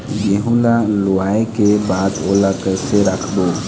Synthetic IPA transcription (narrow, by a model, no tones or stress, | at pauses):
jeɦulaloaːekebaːd̪oːlakəseɾəkʰboː